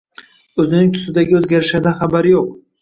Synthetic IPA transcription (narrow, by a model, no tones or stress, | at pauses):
ɵzɪnɪŋt̪ʰʊ̥sɪd̪aɡʲɪɵzɡʲaɾɪʃad̪anχabaɾɪjoq̚